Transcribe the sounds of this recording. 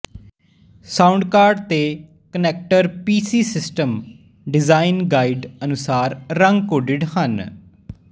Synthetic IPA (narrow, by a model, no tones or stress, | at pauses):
saːʊɳɖkaːɾɖt̪eː | kənɛːk̚ʈəɾpiːsiːsɪsʈəm | ɖɪzaːɪnɡaːiɖənʊsaːɾːəŋɡkoːɖɪɖɦən